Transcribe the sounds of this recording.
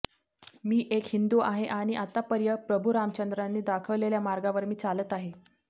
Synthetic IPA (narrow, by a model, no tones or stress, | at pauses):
miːʔekhind̪uaɦeʔaɽ̃iʔat̪apəɾjəpɾəbʱuɾamt͡ɕənd̪ɾanːiːd̪akʰəʋleljamaɾɡaʋəɾmiːt͡salət̪aɦe